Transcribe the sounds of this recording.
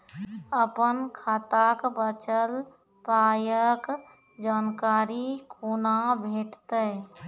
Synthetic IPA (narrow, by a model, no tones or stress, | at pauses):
əpənkʰaːt̪akbət͡ʃəl | paːjək | d͡ʒaːnkaːɾikʰunabʱeːʈt̪ə